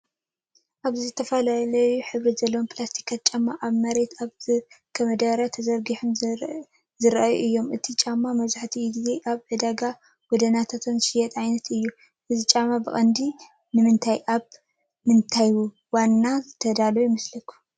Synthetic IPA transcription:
ʔaβzizɨt̪ʰɐfɐlalɐjuħɨβɾizɐlːɐwonpʰʼlast̪ʰi̥kʰːat̪̚t͡ʃʼamːaʔaβmɐɾe̞t̪ʰaβzɨkʰɐmɐd̪ɐɾɐt̪ʰɐzɐɾɡiħum | zɨɾʔajuʔɨjːo̞mʔɨt̪ʰit͡ʃʼamːamɐzaħt̪ʰiɡze̞ʔaβʕɨd̪aɡa | ɡ̥ɔd̪ɐnat̪ʰat̪ʰonʃɪjɛt̪ʼajnɐt̪ʰɨjːu | ʔɨzit͡ʃʼamːabɨχʼɐnd̪i | nɨmɨnt̪ʰajʔaβ | mɨnt̪ʰajwu | wanːazɨt̪ʰɐd̪aljmɨslɨkʰu̥

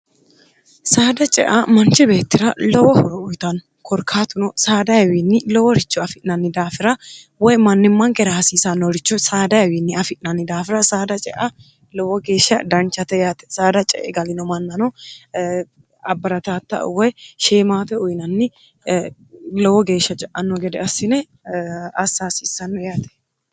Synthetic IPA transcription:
saːd̪ɐt͡ʃʼɛ̰ʔamɐnt͡ʃɪbe̞ːt̪ːɪɾɐlɔwɔhɔɾɔʊjt̪ɐn | kʰɔɾkʰaːt̪ʊnɔsaːd̪ɐjɐwinːɪlɔwɔɾɪt͡ʃːʊɐfɪnɐnːɪd̪aːfɪɾɐ | wɔjmɐnːɪmːɐŋkɛɾaːsiːsɐnːɔɾɪt͡ʃːɔsaːd̪ɐjɐwinːɪɐfɪʔnɐnːɪd̪aːfɪɾɐsaːd̪ɐt͡ʃʼɛʔa | lɔwɔɡe̞ːʃːɐd̪ɐnt͡ʃːɐt̪ɛjaːt̪ɛ̥saːd̪ɐt͡ʃʼɛ̰ʔɛɡɐlɪnɔmɐnːɐnɔ | ɐbːɐɾɐt̪aːt̪ːɐ̰ʔwɔjʃeːmaːt̪ɛʊjnɐnːɪ | lɔwɔɡe̞ːʃːɐt͡ʃʼɛʔɐnːɔɡɛd̪ɛɐsːɪnɛ | ɐsːaːsiːsɐnːɔjaːt̪ɛ̥

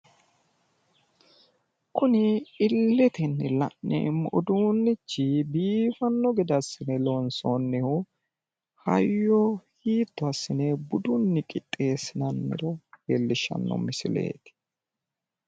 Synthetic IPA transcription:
kʊnɪɪlːɛt̪ɪnːɪlɐ̰ʔnɛ̰mɔd̪uːnːɪt͡ʃːɪbiːfɐnːɔɡɛd̪ɐsːɪnɛlonsonːɪhʊ | hɐ̰jːɔhiːt̪ːʊɐsːɪnebʊd̪ʊnːɪkʼɪt̪ʼːe̞ːsɪnɐnːɪ̰ɾɔhelːɪʃːɐ̰nːɔ̰mɪsɪle̞̰ːt̪ɪ̥

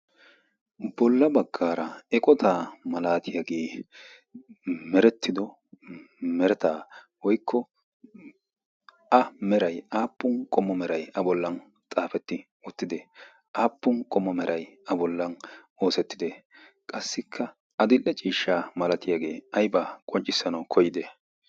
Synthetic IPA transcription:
bɔlːɐbɐɡːaːɾɐɛkʼɔt̪ʰaːmɐlaːt̪ɪjaɡe̞ː | mɛɾɛt̪ːɪd̪ɔ | mɛɾɛt̪aː | wɔjkʰːɔ | ɐmɛɾɐjaːpːʊnkʼɔmːɔmɛɾɐjɐbɔlːɐn | t͡sʼaːfɛt̪ːɪ | ɔt̪ːɪd̪ɛ | ʔaːpːʊnkʼɔmːɔmɛɾʔɐjɐbɔlːɐn | o̞ːsɛt̪ːɪd̪ɛ | kʼɐsːɪkʰːɐ | ɐd̪ɪlʔɛt͡ʃʼiːʃːaːmɐlɐt̪ɪjaɡe̞̰ːɐjbakʼɔnt͡ʃʼɪsːɐnɐwkʰɔjɪd̪ɛ

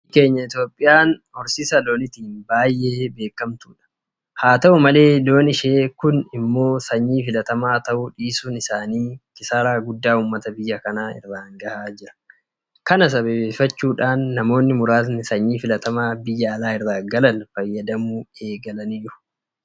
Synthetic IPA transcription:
ke̞ːɲːɐɪt̪jo̞ːpʼːɪjaːnhɔɾsɪsɐloːnɪt̪iːnbaːjʔe̞ːbe̞ːkːɐmt̪uːᶑɐ̥ | haːt̪ɐʔʊmɐle̞ːd̪o̞ːnɪʃeːkʊnɪmːo̞ːsɐɲːiːfɪlɐt̪ɐmaːt̪ɐʔuᶑiːsuːnɪsaːniːkɪsaːɾaːɡʊd̪ːaːuːmːɐt̪ɐbɪjːɐkɐnaːɪ̰rːaːŋɡɐhaːd͡ʒɪɾɐ̥ | kɐnɐs̬ɐbeːbeːfːɐt͡ʃːuːᶑaːnːɐmo̞ːnːɪmʊɾaːsnɪsɐɲːiːfɪlɐt̪ɐmaːbɪjːɐːlaːɪrːaːɡɐlɐnfɐjːɐd̪ɐmue̞ːɡɐlɐnijɪʊ̥

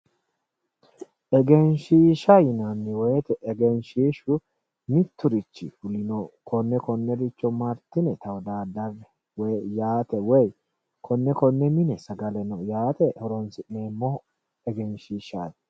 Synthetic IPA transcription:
ʔɛɡɛnʃiːʃɐjɪnɐnːɪwɛjt̪ɛʔɛɡɛnʃiːʃʊ | mɪt̪ːʊɾɪt͡ʃːɪ̰fʊlɪnɔkʰɔnːɛkɔnːɛɾɪt͡ʃːɔmɐɾt̪ːɪnɛt̪ɐwɔd̪aːd̪ːɐbɛ | wɛjaːt̪ɛwɛj | kʰɔnːɛkɔnːɛmɪnɛsɐɡɐlɛnɔjaːt̪ɛhɔɾɔnsɪʔneːmːɔ | ɛɡɛnʃiːʃaj

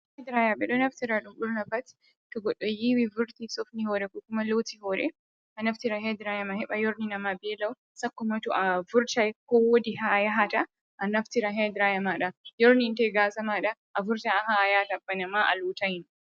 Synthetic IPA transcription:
hɛd̪ɪɾaːjɐbɛᶑɔnɐft̪ɪɾaᶑʊmɗʊɾnɐfɐt̪ | t̪ʊɡɔᶑɔjiwivʊɾt̪isɔfnihoːɾɛkʊkʊmɐloːt̪ihoːɾɛ | ɐnɐft̪ɪɾahɛd̪ɪɾaːjɐmɐhɛɓɐjɔɾninɐmabeːlɐʊ | sɐkːʊmɐt̪ʊʔɐvʊɾt͡ʃɐkowɔd̪ɪɦajɐɦɐt̪ɐ | ʔɐnɐft̪ɪɾaɦed̪ɪɾajɐmaᶑɐjɔɾnint̪eɡaːsɐmaːᶑɐʔɐfʊɾt̪aɐhajat̪ɐbːɐnɐmaʔɐ̰luːt̪ɐjɪn

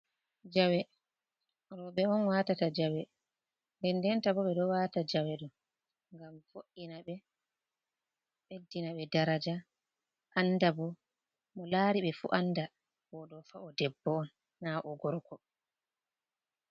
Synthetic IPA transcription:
d͡ʒawɛ | ɾɔɓɛɔnwatatad͡ʒawɛ | ndɛndɛntabɔɓɛɗɔwaːtad͡ʒawɛɗɔ | ŋɡamfoʔinaɓɛ | ɓedːinaɓɛdaɾad͡ʒa | ʔanːdabɔ | mɔlaːɾiɓɛfṵʔanːda | bɔɗɔfaɔdɛbːɔɔnː | aʔɔɡɔɾkɔ

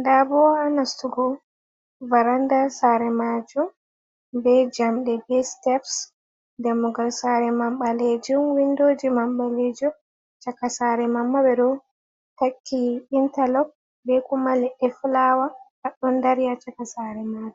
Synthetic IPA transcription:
ndabɔanastuɡɔ | vaɾandasaɾɛmad͡ʒum | bɛd͡ʒamɗɛbɛstɛfs | dɛmuɡalsaɾɛmamɓaled͡ʒumwindoːd͡ʒimamɓaled͡ʒɔ | t͡ʃakasaɾɛmamːabɛɗɔ | takʰːiɓintalɔk̚ | bɛkumalɛʔɛflawakaɗɔndaɾjat͡ʃakasaɾɛmad͡ʒu

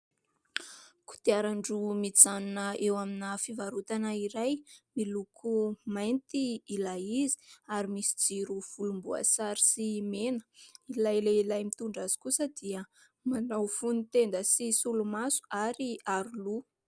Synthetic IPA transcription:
ku̥t̪iaɾaɳɖ͡ʐumit͡sanunəewaminəfivaɾut̪anəiɾajmilukʰumajnt̪iːlaizi̥aɾimisi̥d͡ziɾuv̥ulumbua̰saɾi̥simenə̥ilajleilajmit̪uɳɖ͡ʐaz̥i̥kusəd̪iə | manawfunit̪end̪əsisulumasu̥aɾiaɾulu

